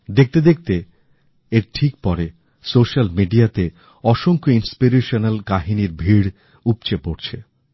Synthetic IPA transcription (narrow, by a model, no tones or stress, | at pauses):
d̪ek̚t̪ed̪ek̚t̪eː | ɾʈʰik̚pɔɾe | soʃalmiɖiat̪e | ɔʃoŋkoinspiɾeʃonalkaɦiniɾbʱiɽ | upt͡ɕepoɾt͡ɕʰe